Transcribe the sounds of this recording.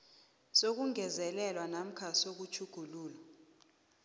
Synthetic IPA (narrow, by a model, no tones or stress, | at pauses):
sok̬uŋʱɛzɛlɛlwanam̩kʰasok̬ut͡ʃʰuɡ̥ʱuluːla